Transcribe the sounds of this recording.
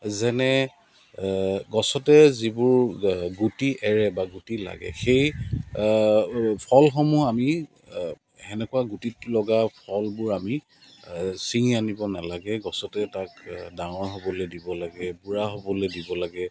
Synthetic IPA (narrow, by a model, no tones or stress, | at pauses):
zɛnɛ | ɡɔsɔtɛzibʊɹɡutiʔɛɹɛbaɡutila̰ɡɛ̰xej | pʰɔlxɔmuami | ɛnɛkʊaɡutitlɔɡapʰɔlbʊɹami | siŋianibɔnalaɡɛɡɔsɔtɛtakdaŋɔɹɦobɔlojdibɔlaɡɛbuɹaɦobɔlojdibɔlaɡɛ